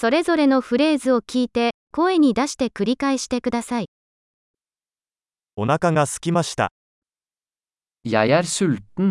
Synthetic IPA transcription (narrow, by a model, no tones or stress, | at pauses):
so̞ɾe̞zo̞ɾe̞no̞ɸɯ̟ɾe̞ːzɨo̞kʲiːt̪e̞ko̞e̞ɲ̟id̪aɕi̥t̪e̞kɯ̟ɾʲikaeɕi̥t̪e̞kɯ̟d̪asai | o̞nakaɡasɨ̥kʲimaɕi̥t̪a̰ | ja̰jaɾsɯlt̪n